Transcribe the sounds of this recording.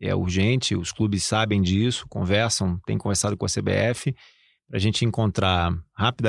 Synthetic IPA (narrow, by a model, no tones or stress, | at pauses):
ɛ̰ṵɾʒẽnt͡ʃɪʊsklubɪsːabẽj̃d͡ʒisʊ̥kõ̰vɛɾsɐ̃w̃t̪ẽj̃kõveɾsad̪ʊkõɐsebḛɛfɪ | pɾɐʒẽnt͡ʃɪẽŋkõnt̪ɾahapid̪ɐ